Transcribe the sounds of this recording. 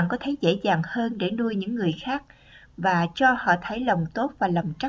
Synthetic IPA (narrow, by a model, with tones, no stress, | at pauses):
ŋkɔ˨˦t̪ʰə˨˩˦zḛ˧˥zaː˨˩ŋhəː˧nɗe˧˩nu˧əjɲɨ̰˧˥ŋːɨ˨˩əjxaː˦˥k̚ | vaː˨˩t͡ɕɔ˧hɔ̰˧˨t̪ʰə˨˦jlə˨˩wŋ͡mt̪o˦˥t̚vaː˨˩lə˨˩mt͡ɕa˦˥